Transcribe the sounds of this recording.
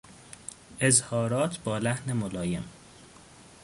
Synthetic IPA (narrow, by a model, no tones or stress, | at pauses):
ʔe̞zhɒːɾɒːt̪ʰbɒːlæhne̞molɒːje̞̰m